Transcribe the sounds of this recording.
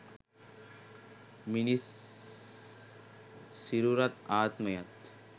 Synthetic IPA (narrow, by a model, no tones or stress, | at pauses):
minis | siɾuɾɐt̪aːt̪mɐjɐt̪